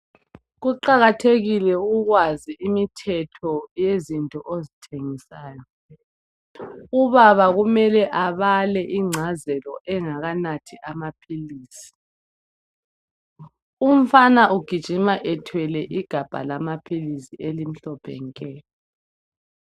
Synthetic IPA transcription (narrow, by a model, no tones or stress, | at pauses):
ɣuǃaɣatʰeɣilɛuɣwaziimitʰɛtʰɔjezintʼɔʔozitʰeŋisaːjɔ | uβaβaɣumɛlɛʔaβalɛʔiŋ͡ǀʱazɛlɔʔɛŋaɣanatʰiʔamapʰiliːsi̥ | um̩fanaʔuɡ̥ʱid̥ʒ̥ʱimaʔɛtʰwɛlɛʔiɡ̥ʱab̥ʱa̰lamapʰilisielim̩ɬɔpʰɛ̰ŋkʼɛː